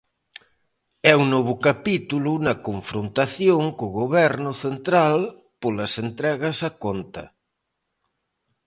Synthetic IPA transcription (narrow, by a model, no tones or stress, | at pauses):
ɛuŋnoβ̞ʊkapit̪ulʊnɐkoɱfɾont̪aθjoŋkoɣoβɛɾnʊθent̪ɾal | polɐsent̪ɾɛɣɐsakont̪ɐ̰